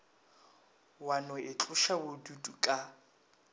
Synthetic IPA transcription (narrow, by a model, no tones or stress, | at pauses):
wanɔɪt͡ɬʼʊʃabʊdudukʼa